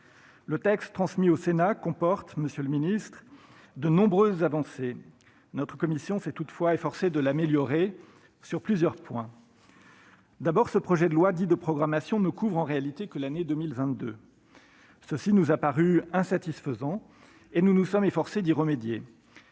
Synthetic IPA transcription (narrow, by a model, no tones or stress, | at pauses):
lət̪ɛkst̪ːχɑ̃smiosenakɔ̃pɔʁt̪məsjøləminist̪χ | d̪ənɔ̃bʁøzːavɑ̃se | nɔt̪χəkɔmisjɔ̃sɛt̪ut̪fwaefɔʁsed̪əlameljɔʁe | syʁplyzjœʁpwɛ̃ | d̪abɔʁsəpχɔʒɛd̪əlwad̪id̪əpχɔɡʁamasjɔ̃nəkuvʁɑ̃ʁealit̪ekəlaned̪ømilvɛ̃t̪̚d̪ø | səsinuzapaʁyɛ̃sat̪isfəzɑ̃ | enunusɔmefɔʁsed̪iʁəmed̪je